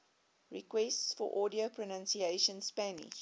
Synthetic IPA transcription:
ɹikwɛstsfɔ̰ʔɔːdiopʰɹɔnãnsieʃə̃nspænḭʃ

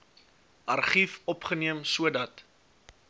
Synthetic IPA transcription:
ʔɐrχifɔpχəniəmsuədɐt

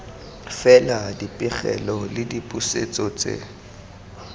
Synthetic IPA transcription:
fɛladipʼɪχɛ̰lɔlɪdipʼuset͡sʼɔt͡sʼḛ

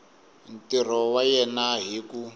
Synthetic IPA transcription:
n̩tir̤ɔwajɛnaɦiku

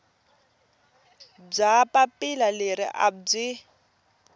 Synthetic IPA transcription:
b͡ʐapapɪlaleɾɪ̰ʔa̰b͡ʐɪ

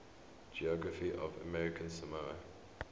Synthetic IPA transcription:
d͡ʒiɔɡɹəfiʔɔ̰və̰mɛɹɪkʰə̃nsəmaɹə̰

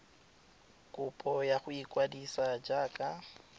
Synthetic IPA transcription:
kʼʊpʼɔjaχʊikʼwadisad͡ʒaːkʼa

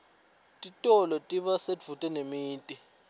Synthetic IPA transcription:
tʼitʼɔlɔtʼiɓasev̥ʱutʼɛnemiːntʼi

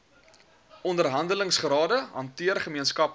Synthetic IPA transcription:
ɔndərɦɐndələŋsχrɑːdəɦɐntiərχəmiənskɐp

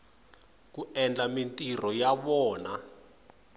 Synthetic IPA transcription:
k̬uɛnd͡ɮamintʼirɔjaɓɔːna

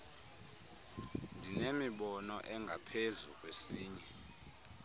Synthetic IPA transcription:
ndʱinemiɓɔnɔʔɛŋɡʱapʰezuk̬ʼwesiːɲɛ

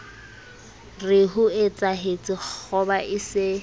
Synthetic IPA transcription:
rɪɦʊɪt͡sʼaɦet͡sʼɪk͡xɔbaʔɪsɪ

